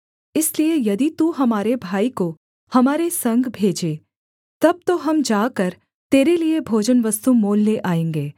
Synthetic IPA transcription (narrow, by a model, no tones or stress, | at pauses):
ɪsliejɐd̪it̪uɦɐmaːɾebʱaːiko | hɐmaːɾesɐ̃ŋɡʱbʱeːd͡ʒeː | t̪ɐb̚t̪oɦɐmd͡ʒaːkɐɾ | t̪eːɾeliebʱoːd͡ʒənʋɐst̪umoːlːeʔaːẽːŋɡeː